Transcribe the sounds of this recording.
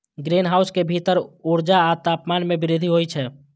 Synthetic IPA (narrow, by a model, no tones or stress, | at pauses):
ɡɾeːnɦaːʊskebʱit̪əɾuɾd͡ʒaat̪aːpmaːnmẽbɪɾɪd̪ʱiɦoit͡ʃʰɛː